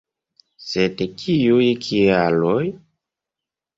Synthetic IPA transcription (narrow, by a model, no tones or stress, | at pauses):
sedkʰiujkʰialoj